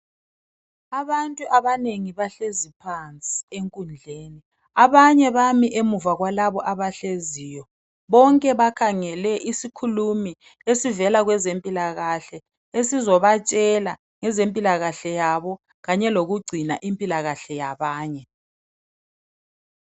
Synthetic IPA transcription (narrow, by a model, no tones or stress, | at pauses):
aβantʼuʔaβaneŋiβaɬezipʰant͡sʼieŋkʼund͡ɮʱeːni | aβaɲɛβamiʔemuvaɣwalaβɔʔaβaɬeziːjɔ | βɔŋkʼɛβakʰaŋɛlɛʔisikʰulumi | esivɛlaɣwɛzempʼilaɣaɬɛ | esizɔβat͡ʃʼɛla | ŋɛzempʼilaɣaɬɛjaβɔ | ɣaɲɛloɣuɡ͡ǀʱinaʔimpʼilaɣaɬɛjaβaːɲɛ